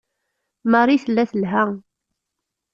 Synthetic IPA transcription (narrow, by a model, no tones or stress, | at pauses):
mɑrˤiθəlːæθəlɦæ